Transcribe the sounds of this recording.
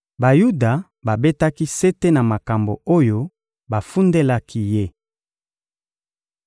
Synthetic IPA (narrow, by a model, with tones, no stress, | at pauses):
ba˨ju˦da˨ | ba˨be˦ta˦ki˦se˦te˦na˨ma˨ka˨mbo̰˨o˦jo˦ | ba˨fu˦nde˦la˦kʰi˦je˦